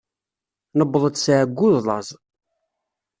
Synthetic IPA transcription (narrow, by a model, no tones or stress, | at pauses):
nəbːðˤəd̪sʕəɡːʊðlˤɑ̰zˤ